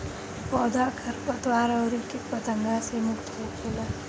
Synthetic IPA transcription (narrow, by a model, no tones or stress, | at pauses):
pɔd̪ʱakʰəɾpət̪waːɾəwɾikepət̪əŋɡasemʊkt̪ɦokʰela